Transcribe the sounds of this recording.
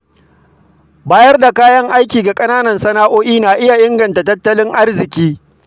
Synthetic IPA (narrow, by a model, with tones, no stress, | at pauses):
baː˦jɐ˦rda˨kaː˦jɐ˦ŋʔa˦jkʲiː˨ɡa˨kʼɐ˦naː˦nɐ˨nsɐ˦naː˦ʔoː˦ʔiː˦naː˨ʔɪ˦ja˨ʔɪ˦ŋɡɐ˨nta˨tɐ˦tːɐ˦lɪ˦ŋʔa˦rzɪ˨kʲiː˦